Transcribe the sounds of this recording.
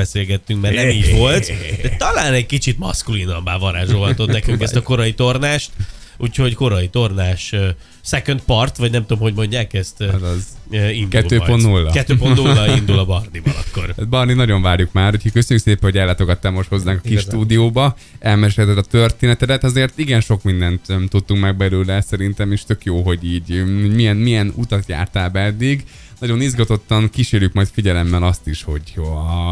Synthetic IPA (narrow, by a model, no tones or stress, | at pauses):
bɛseːlɡɛt̪ːyŋkmɛrnɛmiːdvo̞lt̪ɛt̪ɒlaːnɛɟkit͡ʃit̪mɒ̰skulinɒmbaːvɒɾa̰ːʒoːɦɒt̪o̞t̪nɛkyŋkɛst̪ɒko̞ɾɒjit̪o̞rnaːʃt̪uːcho̞ɟko̞ɾɒit̪o̞rnaːʃ | sɛkønt̪pɒrt̪ʋɒɟnɛmt̪omho̞ɟmo̞ɲɟaːkɛst̪zindɛtuːøːpont̪nulːɒkɛt̪ːøːponulːɒind̪ulɒbɒrnivɒ̰lɒ̰kːo̞̰rat̪̚bɒrninɒɟo̞ɱvaːrjukmaːrhocʰhɒkøsøɲːykseːpɛnhoɟɛlːaːt̪oɡɒt̪ːaːmo̞ʃt̪ho̞zːaːŋkɒ̥kiʃt̪uːd̪ijoːbɒ | ɛlmɛʃɛt̪ɛt̪ːɒt̪ø̞rt̪eːnɛt̪ɛd̪ɛt̪ɒzeːrt̪iɡɛnʃo̞kmind̪ɛnt̪ɛmt̪ut̪ːuŋkmɛɡ̚bɛløːlɛsɛɾint̪ɛmeʃt̪ø̞kjoːɦo̞ɟiːɟmijɛnmijɛnut̪ɒt̪ja̰ːrt̪aːbɛɛd̪ːiɡ | nɒɟo̞nizɡɒt̪o̞t̪ːɒŋkiʃeːɾjykmɒjt̪fiɟɛlɛmːɛlɒst̪iʃho̞ɟo